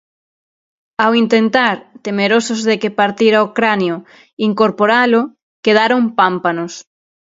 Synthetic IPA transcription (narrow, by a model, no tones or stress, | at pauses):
awint̪ent̪aɾt̪emeɾosozðekepaɾt̪iɾaokɾanjo | iŋkoɾpoɾalo | keð̞aɾompampanos